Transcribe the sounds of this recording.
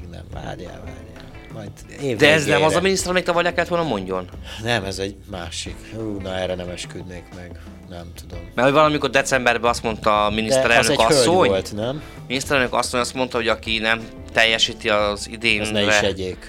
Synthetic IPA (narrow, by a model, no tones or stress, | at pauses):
nɛ̰mva̰ːdja̰va̰ːɾjɛ | mɒjd̪ | eːd̪ɛɛznɛmɒzɒminist̪ɛɾɒmeːk̚t̪ɒvɒrjakɛlːɛt̪olnɒmo̞ɲɟo̞nnɛmɛzɛɟmaːʃikuːnɒɛɾɛnɛmɛʃkyd̪neːkmɛɡ | nɛmt̪ud̪o̞mmɛrovɒlɒmiko̞rd̪ɛt̪sɛmbɛrbɛɒst̪mo̞nt̪ɒminist̪ɛɾɛlnøkɒsøsːo̞ɲolt̪nɛm | minist̪ɛɾɛlnøkɒ̰sːo̞ɲɒst̪mo̞nt̪ɒɦo̞ɟɒkinɛm | t̪ɛjːɛʃiːt̪iɒzid̪eːnɛrɛʃɛɟeːk